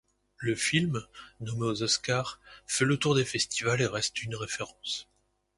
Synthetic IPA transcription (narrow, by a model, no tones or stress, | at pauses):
ləfilmnɔmeozɔskaʁfɛlət̪uʁd̪efɛst̪ivaleʁɛst̪ynʁefeʁɑ̃s